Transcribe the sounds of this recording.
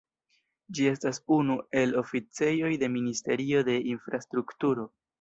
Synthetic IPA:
d͡ʒie̞stasunue̞lo̞fit͡se̞jo̞jde̞ministe̞ɾio̞de̞ʔinfɾastɾuktuɾo̞

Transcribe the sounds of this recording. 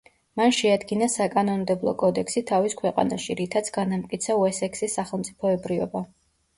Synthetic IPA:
manʃɛad̪ɡinasakʼanɔnmd̪ɛblˠɔ̰kʼɔd̪ɛksit̪ʰaviskʰwɛqʼa̰na̰ʃiɾit̪ʰat̪sʰɡ̥anamt̪kʼit̪sʰauɛsɛksisːaχɛlˠmt̪sʼipʰɔɛbɾivɔ̰ba

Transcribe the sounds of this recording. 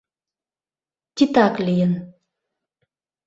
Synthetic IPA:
t͡ɕit̪aklijən

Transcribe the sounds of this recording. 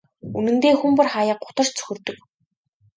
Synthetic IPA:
unɘ̆nt̪eːxumpʊ̆rχajə̆q̚ɢʊ̥t̪ə̆r̥t͡ɕt͡sʰɵ̥xʲɵ̆rt̪ɵ̆k

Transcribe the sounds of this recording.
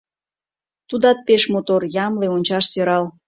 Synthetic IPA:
t̪ud̪ɑt̪̚peʃmot̪orjɑmleonʲt͡ɕɑʃsøɾɑl

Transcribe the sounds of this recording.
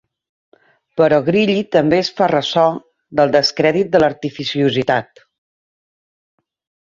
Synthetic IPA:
pəɾɔɣɾiʎit̪əmbesfarəsɔ | d̪əlˠd̪əskɾɛðit̪̚d̪ələɾt̪ifisiuzit̪at̪

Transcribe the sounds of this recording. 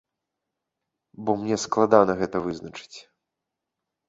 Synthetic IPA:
bɔmnʲɛsklˠad̪anɐɣɛt̪ɐvɨznɐt͡ʂɨ̥t͡sʲ

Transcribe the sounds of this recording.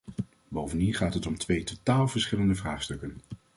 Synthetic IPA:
bowvəndinχaːtɦətɔmtʋejtotaːlˠvəɹsχɪləndəvraːχstɵkən

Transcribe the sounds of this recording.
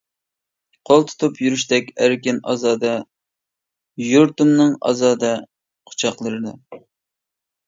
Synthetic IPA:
qʰolˠt̪ʰu̥t̪ʰupjyɾyʃt̪ɛkʲæɾkʲɪnɑ̰zɑːd̪ɑ | juɾt̪umnɨŋɑ̰zɑːd̪ɑ | qʰʊ̥t͡ʃʰɑqlˠɨɾɨd̪ɨ

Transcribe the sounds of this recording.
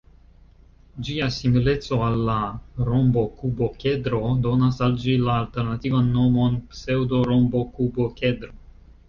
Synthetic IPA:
d͡ʒiasimile̞t͡so̞alːaɾo̞mbo̞kubo̞ke̞dɾo̞do̞nasald͡ʒilaːlte̞ɾnativanːo̞mo̞npse̞wdo̞ɾo̞mbo̞kubo̞ke̞dɾo̞

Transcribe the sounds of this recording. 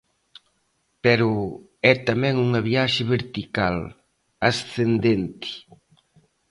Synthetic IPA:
pɛɾʊ | ɛt̪amɛ̃ŋuŋɐβiaʃɪβeɾt̪ikal | asθend̪ent̪ɪ̥

